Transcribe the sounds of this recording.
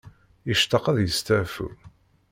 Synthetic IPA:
jəʃt̪ːɑqɑðjəst̪æfṵ

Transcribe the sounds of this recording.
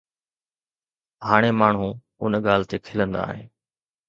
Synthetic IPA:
ɦaːɽ̃emaːɳ̤ũ | ʊnɠaːl̤t̪ekʰɪlə̃nd̪a̰ːɦḛː

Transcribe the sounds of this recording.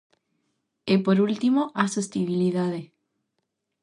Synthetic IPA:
epoɾult̪imoʔasest̪iβiliðaðe

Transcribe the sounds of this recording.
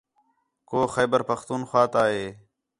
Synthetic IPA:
koːxeːbəɾpəxt̪uːnxwaːt̪aːɦeː

